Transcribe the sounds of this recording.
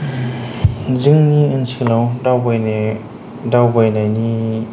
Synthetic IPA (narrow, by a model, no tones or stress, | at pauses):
zɯŋniɯnsʰilawdawbaj | dawbajnajni